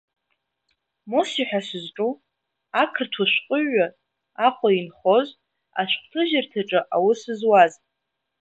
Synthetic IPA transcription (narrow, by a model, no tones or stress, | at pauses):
mosiħʷᶣasɨzʈ͡ʂʼu | akʰɨrtʰuʃʷqʷʼʊʒa | aqʷʼainχo̞z | a̰ʃʷqʷʰʼtʰɨʒɪrtʰaʈ͡ʂʼɨʔawʊsɨzwazʼ